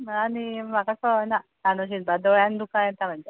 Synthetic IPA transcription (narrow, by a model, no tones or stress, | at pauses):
animakasɔnatanoɕ̬inbad̪oɭjãnd̪ukãjet̪am̤əɳd͡ze